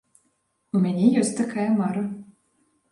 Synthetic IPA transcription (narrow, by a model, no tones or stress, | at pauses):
umʲanʲɛjɔsʲtʲt̪akʰajɐmaɾɐ